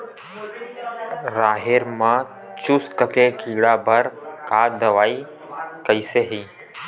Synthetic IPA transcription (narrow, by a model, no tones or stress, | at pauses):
ɾaːɦeːɾmãː | t͡ʃʊskəkeːkʰiːɽaːbəɾkaːd̪əʋaːiː | kəiːseːɦiː